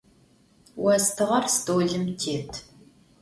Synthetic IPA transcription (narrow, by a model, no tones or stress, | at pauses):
wɐstʰɨʁɐrstoːɮɨmtʰeːtʰ